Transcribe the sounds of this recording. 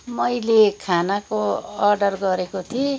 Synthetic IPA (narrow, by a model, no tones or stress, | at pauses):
mʌjlekʰanakoʌrɖʌrɡʌɾekot̪ʰi